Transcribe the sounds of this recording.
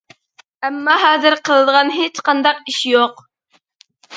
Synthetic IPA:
æmːɑɦɑːzɨɾqʰəlˠɨd̪ʁɑnɦet͡ʃqɑnd̪ɑq̚iʃjoq

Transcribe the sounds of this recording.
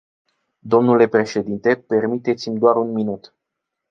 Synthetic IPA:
d̪o̞mnule̞pɾe̞ʃe̞d̪int̪e̞pe̞rmit̪e̞t̪simʲd̪oaɾunminut̪

